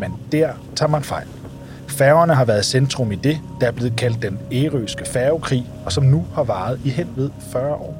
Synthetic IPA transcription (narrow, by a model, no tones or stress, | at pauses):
mend̥æɐ̰ | t͡sʰɑ̰̈ːmænfɑ̈ɪ̰l | fæɐʊɐnəɦɑ̈ʋæːɐð̞̩ˠsend̥ʁɔ̽mid̥e̝d̥ɑ̈æɐ̥le̝ːð̞̩ˠkʰæl̰d̥ːeneːʁøːsɡ̥əfæʊkʰʁḭː | ɒ̽sɒ̽mnuhɑ̈ʋɑ̈ːð̞̩ˠiɦen̰ʋe̝ð̞ˠfɶɐʔɒ̰ː